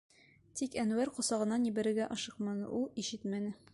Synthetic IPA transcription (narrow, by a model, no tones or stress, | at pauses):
t̪ikænwæɾqŏsɑʁɤ̆nɑnibæ̆ɾɘ̆ɾɡæʔɒʃɤqmɑnɤ̰ʔulˠiɕɘt̪mænɘ